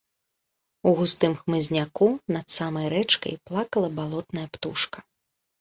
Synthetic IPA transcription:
uɣust̪ɨmxmɨzʲnʲakunɐt̪samɐjɾɛt͡ʂkɐ̰jplˠakɐlˠɐbalˠɔt̪nɐjɐpt̪uʂkɐ̥

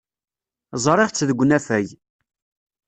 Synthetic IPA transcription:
zˤɾˤɪʁt͡sːðəɡʷːnæfæj

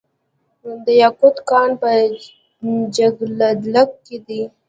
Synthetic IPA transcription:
d̪əjakʊd̪kɑnpə | d͡ʒaɡlad̪lakked̪i

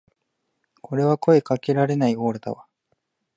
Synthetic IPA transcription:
kʰo̞ɾe̞βako̞e̞kake̞ɾaɾe̞naiɡoːɾɯt̪a̰βa

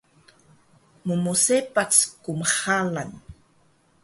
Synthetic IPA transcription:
mumusepat͡skumχalan

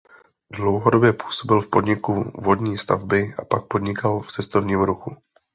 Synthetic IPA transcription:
dlo̞wɦodo̞bjɛpu̥ːso̞bɪlfpo̞dɲɪkuvo̞dɲiːst̪a̰vbɪʔapak̚po̞dɲɪkalft͡sɛst̪o̞vɲiːmɾuxu

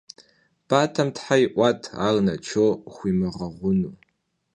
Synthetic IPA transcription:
b̥atʰɐmtħajʔʷatʰa̰rnat͡ʃʰoχʷimɨʁɐʁʷʊnu

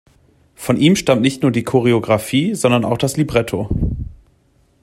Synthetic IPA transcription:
fɔnʔiːmʃtamtnɪçtnuːɐdiːkʰoʁeoɡʁafiːzɔndɐna̰ʊxd̥aslibʁɛtʰo

